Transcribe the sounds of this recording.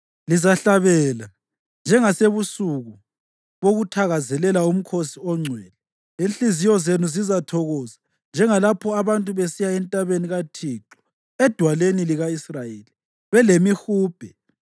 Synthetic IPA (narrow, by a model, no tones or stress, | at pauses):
lizaɬaβɛla | nd͡ʒʱɛŋaseβusuɣu | βoɣutʰaɣazɛlɛlaum̩kʰosiɔŋ͡ǀʱwɛːlɛ | inɬizijɔzenuzizatʰɔɣɔza | nd͡ʒʱɛŋalapʰɔaβantʼuβesijaɛntʼaβeniɣatʰiǁɔ̥ | ɛd̥ʱwaleniliɣaisrajeːli | βɛlemixuːb̥ʱɛ